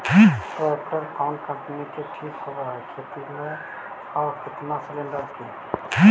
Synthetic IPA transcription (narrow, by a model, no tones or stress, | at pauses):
pɾoekʈəɾkʰaʊnɖkə̃mpnikeʈʰikɦobəɦɛkʰet̪imẽ | aːɾkɪt̪naslẽɳɖəɾke